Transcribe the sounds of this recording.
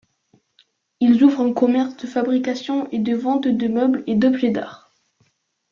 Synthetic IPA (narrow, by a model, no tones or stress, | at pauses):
ilzuvʁɛ̃kɔmɛʁsd̪əfabʁikasjɔ̃ʔed̪əvɑ̃t̪d̪əmœbled̪ɔbʒed̪a̰ːʁ